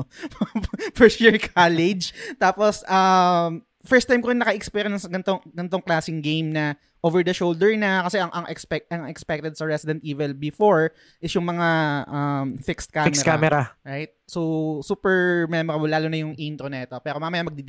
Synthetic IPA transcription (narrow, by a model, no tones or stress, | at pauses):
fɛsɛɹkʰalɪd͡ʒt̪aːposʔɐm | fɛɹst̪ãjmkʊɾɪŋnɐkɐʔɪkspiɾjɐnsɡɐnt̪oŋɡɐnt̪o̞ŋklaːsɪŋɡejmnɐ | ʔovɛɹd̪ɐʃowld̪ɛɹnɐkɐsɛɐŋʔɐŋʔɛkspɛk̚t̪ʔɐŋɛkspɛk̚t̪ɛd̪sɐɹɛsɪd̪ɛnt̪ʔiːvɛlbɪfoɹ | ʔɪsjʊŋmɐŋaʔɐmfɪkst̪̚kamɛkamɛɾaɹajt̪̚sosuːpɛɹmɛmɔɾɐblaːlonɐjʊŋʔint̪ɾonɐʔɛt̪opɛːɾomamɐjamɐɡ̚d̪ɪd̪